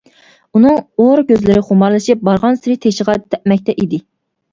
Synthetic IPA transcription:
unɨŋoɾɡʲøzlɪɾɪχʊmɑɾlˠɨʃip̚bɑɾʁɑnsɪɾɪt̪ʰeʃəʁɑt̪ʰɛʔmɛk̚ʲt̪ɛʔid̪ɪ

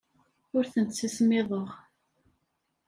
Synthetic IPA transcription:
ʊɾθənt̪sismɪðˤəʁ

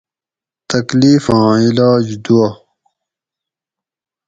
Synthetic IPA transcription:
t̪ɐkliːfãːilaːd͡ʑd̪uɐ

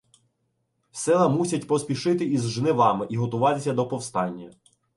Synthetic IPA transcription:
sɪlˠɐmusʲɐtʲpɔspʲiʃɪt̪ɪizʒnɪʋɑmɪʔiɦɔt̪ʊʋɑt̪ɪsʲɐd̪ɔpɔwst̪ɑnʲːɐ

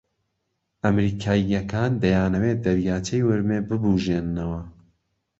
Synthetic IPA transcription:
ʔɐmɾiːkʰaːjɐkʰaːnd̪ɐjaːnɐweːd̪ɐɾjaːt͡ʃʰɐjwɨɾmeːbɨbuːʒeːnːɐwɐ

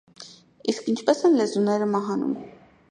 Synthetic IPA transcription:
iskint͡ʃʰpɛsɛnlɛzunɛɾəmɑɦɑnṵm

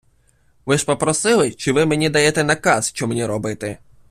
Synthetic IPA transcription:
ʋɪʒpɔpɾɔsɪlˠɪt͡ʃɪʋɪmenʲid̪ɐjɛt̪ɛnɐkɑsʃt͡ʃɔmenʲiɾɔbɪt̪ɛ

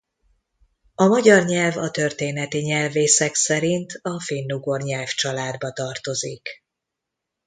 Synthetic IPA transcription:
ɒmɒɟɒrɲɛlvɒt̪ø̞rt̪eːnɛt̪iɲɛlveːsɛksɛɾint̪ʰɒfeːnːuɡo̞rɲɛlft͡ʃɒlaːd̪bɒt̪ɒrt̪o̞zik

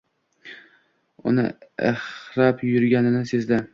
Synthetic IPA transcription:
ʊ̰nɪ̰ɪ̰χɾapjʊɾɡʲanɪnɪsezd̪a

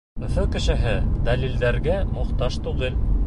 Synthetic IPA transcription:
ɵ̆fɵkɘ̆ʃɘ̆ɦɘd̪ælild̪æɾɡæmŏχt̪ɑʃt̪uʁɘl

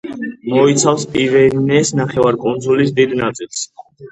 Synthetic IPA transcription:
mɔit̪sʰafspʼivɛnɛsnaχɛvaɾkʼund̪zulis̬d̪id̪nat̪sʼilˠs

